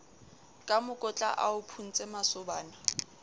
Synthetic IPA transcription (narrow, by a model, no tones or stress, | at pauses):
kʼamʊkʼʊt͡ɬʼa̰ʔaʊpʰun̩t͡sʼɛmasʊbaːna